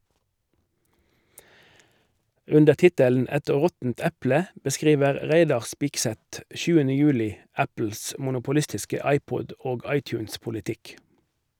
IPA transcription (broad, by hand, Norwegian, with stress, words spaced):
ˈʉndə ˈtɪtəln̩ ˈɛt ˈʁɔtn̩t ˈɛplə bəˈskʁiːʋəʁ ˈʁæɪdɑʁ ˈspɪksɛt ˈʃʉːənə ˈjʉːlɪ ˈæpl̩s mʊnʊpʊˈlɪstɪskə ˈɑɪˌpɔd ˈoːɡ ˈɑɪˌtjʉːnspʊlɪˌtɪk